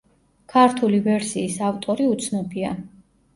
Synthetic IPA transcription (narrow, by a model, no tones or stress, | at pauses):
kʰaɾt̪ʰulivɛɾsiːsaft̪ʼɔɾiut̪sʰnɔbia